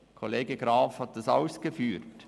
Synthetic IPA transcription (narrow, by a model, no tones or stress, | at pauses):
kʰoleːɡəɡ̥ɾɑːfhɑt̚d̥ɑsa̰ʊsɡ̥əfyːɾt